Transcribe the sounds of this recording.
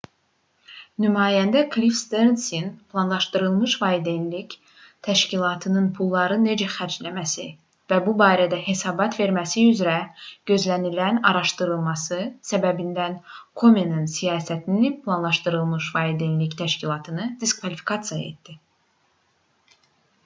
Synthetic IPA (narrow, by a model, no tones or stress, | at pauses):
nymɑːjænd̪ækʰlifst̪ensinpʰlˠɑnlˠɑʃt̪ɯɾɯlˠmɯʃvɑid̪enlic | t̪ʰæʃcilˠɑt̪ʰɯnɯnpʰulˠːɑɾɯne̞d͡ʒæxæɾd͡ʒlæmæsi | væbubɑːɾæd̪æhe̞sɑːbɑt̪ʰve̞ɾmæsiyzɾæɟ̥ø̞zlænilænɑɾɑʃt̪ɯɾɯlˠmɑsɯsæbæbind̪ænkʰo̞menɯnsijɑːsæt̪ʰinipʰlˠɑnlˠɑʃt̪ɯɾɯlˠmɯʃvɑid̪enlict̪ʰæʃcilˠɑt̪ʰɯnɯd̪̥iskvɑlifi̥kʰɑt̪sijɑe̞̰t̪d̪̥i